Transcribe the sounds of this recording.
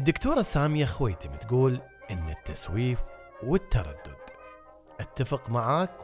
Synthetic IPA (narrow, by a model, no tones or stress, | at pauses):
ʔɪd̪ːʊkt̪uːɾˤɑsaːmɪjaxwḛːt̪ɪmt̪ɡuːl | ʔɪnːat̪ːaswiːf | wɪt̪ːɑɾˤɑ̰d̪ːʊd̪̥ | ʔat̪ːafɪqmaʕaːk